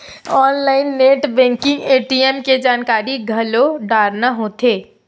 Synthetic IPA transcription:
ɔnlaɪinːeʈbɛ̃ŋkiŋɡeʈiemked͡ʒankaɾiɡʱəloɖaɾnaɦot̪ʰe

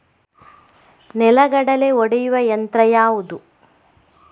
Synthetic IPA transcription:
nɛlɐɡɐɽɐleɔɽɛjuʋɐjɐnt̪ɾɐjaːʋud̪u

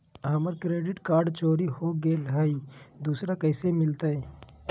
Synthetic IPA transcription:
ɦəməɾkɾeːɖɪʈkaːɾɖt͡ʃoːɾihoɡeːlɦəid̪uːsɾakəɪsemɪlt̪ae

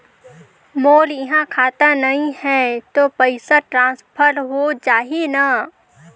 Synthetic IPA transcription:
moːljɪɦãkʰaːt̪anɐɦĩhɛ̃t̪opəɪsaʈɾãːspʰəɾɾɦod͡ʒaːɦina

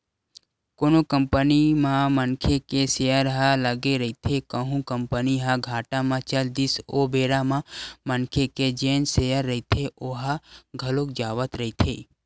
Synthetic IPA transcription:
koːnokəmpənimãmənkʰekesejəɾɦaləɡeɾəɦit̪ʰekəɦũkəmpəniɦaɡʱaːʈãmãt͡ʃəld̪isobeːɾamãmənkʰeked͡ʒẽːnsejəɾːəit̪ʰeoɦaɡʱəlokd͡ʒaːʋət̪ɾəɦit̪ʰeː

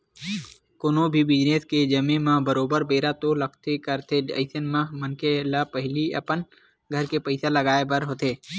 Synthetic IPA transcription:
koːnobʱibɪd͡ʒneːsked͡ʒəmẽmãbəɾoːbəɾbeːɾat̪olək̚ʰt̪ekəɾt̪eə̰ɪsənmãmənkelapəɦɪliə̰pən | ɡʱəɾkepəɪsaləɡaːebəɾɦoːt̪eː

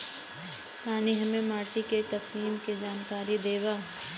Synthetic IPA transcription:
paːniɦɐmẽmaːʈikekɐsiːmked͡ʒaːnkaːɾid̪eːʋaː

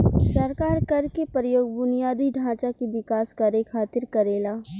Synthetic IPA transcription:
sɐɾkaːɾkɐɾkepəɾjoːɡbʊnijaːd̪iɖʱãːt͡ʃakebɪkaːskaɾekʰaːt̪ɪɾkɐɾeːlaː

